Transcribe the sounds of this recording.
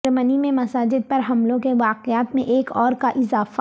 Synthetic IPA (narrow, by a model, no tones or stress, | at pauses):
ɾmənimẽmɐsaːd͡ʒɪd̪̚pɐɾɦɐmlõkeʋaːqeaːt̪mẽʔeːkɔːɾkaʔɪzaːfa